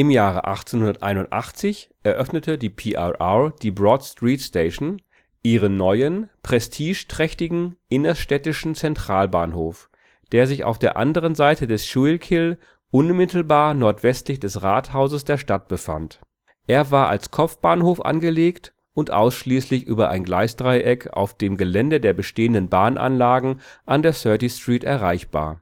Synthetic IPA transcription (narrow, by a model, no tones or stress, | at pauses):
ɪmjaːʁ̞ə̰ʔa̰χt͡senhʊndɐtʔaɪnʊ̃ntʔa̰χt͡sɪç | ʔɛɐʔœfnətədiːpʰiːʔaʔad̥iːbʁɔtstʁ̥iːtsteɪʃn̩ | ʔiːʁənːɔʏənpʁ̥ɛstʰiːʃtʁ̥ɛçtɪɡŋ̩ʔɪnɐʃtɛtɪʃn̩t͡sɛntʁ̥aːlba̰ːnhoːf | d̥eːɐzɪça̰ʊfd̥eːɐʔa̰ndəʁənzaɪtədɛsʃulkʰɪl | ʔʊnmɪtl̩baːɐnɔɐtv̥ɛstlɪçd̥ɛsʁaːthaʊzəsd̥eːɐʃtat̚b̥əfa̰nt | ʔeːɐvaːɐʔa̰lskʰɔpp͡fb̥aːnhoːfʔa̰nɡəleːkt | ʊntʔa̰ʊsʃliːslɪçʔyːbɐʔaɪnɡlaɪsd̥ʁaɪʔɛkʰa̰ʊfd̥eːmɡəlɛndədeːɐbəʃteːəndənbaːnʔa̰nlaːɡŋ̩ʔandeːɐsœɐtistʁ̥iːtʔɛ̰ɐʁaɪçb̥a̰ːɐ